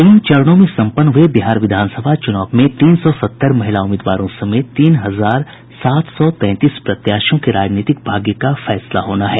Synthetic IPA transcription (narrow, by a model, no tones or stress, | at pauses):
ɐjĩt͡ʃɐɾɽ̃õmẽsɐ̃mpənːɦʊebɪɦaːɾʋɪd̪ʱaːnsəbʱat͡ʃʊnaːbmẽt̪iːnsɔsɐt̪ːəɾmɐɦɪlaʊmeːd̪ʋa̰ːɾõsɐmeːt̪t̪iːnɦɐzaːɾ | saːt̪ʰsɔt̪ɛ̃ːt̪iːspɾɐt̪jaːʃõkeɾaːd͡ʒniːt̪ɪk̚bʱaːɡjəkafɛːslaɦoːnaɦɛː